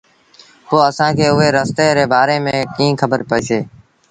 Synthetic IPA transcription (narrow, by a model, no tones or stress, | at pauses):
poːəsãːkʰeːʊɦeːɾəst̪eːɾeːbaːɾeːmẽːkĩːkʰəbəɾpəiːseː